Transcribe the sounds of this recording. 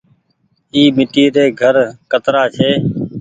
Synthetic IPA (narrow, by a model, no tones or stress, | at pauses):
iːmɪʈiːɾeːɡʱəɾkət̪ɾaːt͡ʃʰeː